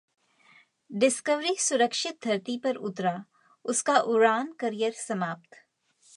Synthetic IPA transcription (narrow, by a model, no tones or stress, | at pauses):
ɖɪskəʋɾisʊɾəkʃɪt̪̚d̪ʱɐɾt̪ipɐɾʊt̪ɾa | ʊskaʔʊɾaːnkɐɾijəɾsɐmaːp̚t̪